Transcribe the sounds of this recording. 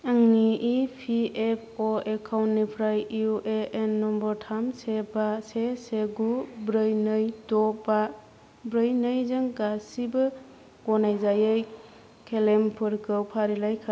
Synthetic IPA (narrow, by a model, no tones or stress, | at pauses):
aŋniʔipʰiepʰoekʰawnːipʰɾajuʔeenːɔmbɔɾtʰamsebaseseɡubɾɯjnɯjtɔba | bɾɯjnɯjzɯŋɡasibɯ | ɡɔnajzajɯj | kʰelempʰɯɾkʰɯwpʰaɾilajkʰa